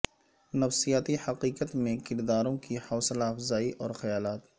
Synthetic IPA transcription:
nɐfsijaːt̪ihɐqiːqət̪mẽkɪɾd̪aːɾõkihɐːslaːfzaːiʔʔɔːɾxɐjaːlaːt̪

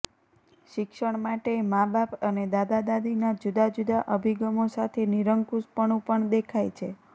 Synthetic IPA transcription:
ʃɪkʃəɳmaʈemabapəned̪ad̪ad̪ad̪inad͡ʒud̪ad͡ʒud̪aʔəbʱiɡəmosat̪ʰeniɾəŋkuspəɳũpəɳd̪ekʰajt͡ʃʰe

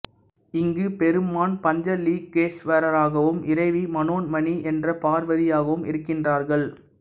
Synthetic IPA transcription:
ɪŋɡɯpɛɾɯmaːnpɐɲd͡ʒɐliːɡ̚ːeːsʋɐɾɐɾaːɣɐʋɯmɪɾɐɪʋimɐnoːnmɐniʔɛndrɐpaːɾʋɐðɪjaːɣɐʋɯmɪ̰ɾɯkːɪndraːɾɣɐɭ

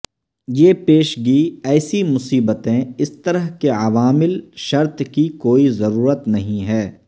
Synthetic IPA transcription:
jeːpeːʃɡiɛːsimʊsiːbət̪ẽɪst̪ɐɾəɦkeɐʋaːmɪlʃɐɾt̪kikoːizɐɾuːɾət̪nɐɦĩɦɛː

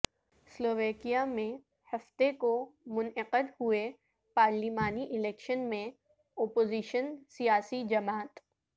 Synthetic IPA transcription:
sloːʋeːkijamẽ | hɐft̪ekomʊnɪqəd̪ɦue | paːɾlimaːniʔɪlɛːkʃənmẽ | ɔːpoːziːʃənsijaːsid͡ʒɐmaːt̪

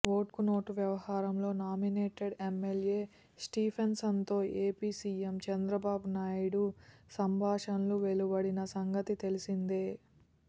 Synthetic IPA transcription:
ʋoːʈkuno̞ːʈuʋjɐʋɐhaːɾɐmlo̞ːnaːmineːʈeɖemːelje̞ː | sʈiːpʰensɐnt̪o̞ːeːpiːsiːemt͡ʃɐnd̪ɾɐbaːbunaːjɽusɐmbʱaːʂɐnluʋelubɐɽinɐsɐŋɡɐt̪it̪e̞lisind̪eː

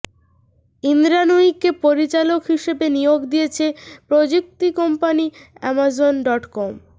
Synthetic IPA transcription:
ind̪ɾanoikːepoɾit͡ɕalokɦiʃebenijoɡd̪ijet͡ɕʰepɾod͡ʑuk̚t̪ikɔmpaniɛ̰mazonɖɔʈkɔm

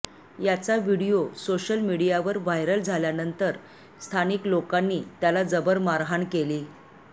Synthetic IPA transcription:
jat͡saʋiɽijosoɕəlmiɽijaʋəɾʋajɾəld͡zʱaljanənt̪əɾ | st̪ʰaniklokanːiːt̪jalad͡zəbəɾmaɾɦaɳkeliː

